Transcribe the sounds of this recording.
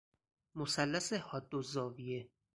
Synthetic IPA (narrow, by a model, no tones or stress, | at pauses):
mosælːæsehɒd̪ːozɒːvije